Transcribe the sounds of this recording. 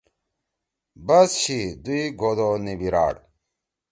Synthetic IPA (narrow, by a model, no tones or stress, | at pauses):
bɐsɕid̪uiɡʱod̪onibiɾa̰ːɽ